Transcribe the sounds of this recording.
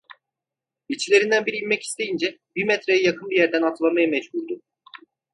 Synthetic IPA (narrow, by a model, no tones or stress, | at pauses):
bit͡ʃʰilʲe̞ɾind̪ænbiɾijimmɛci̥st̪ʰe̞jind͡ʒɛbimɛt̪ɾejajakʰɯnbijæɾd̪ænat̪ʰɯlˠamajamɛd͡ʒbuɾd̪ʊ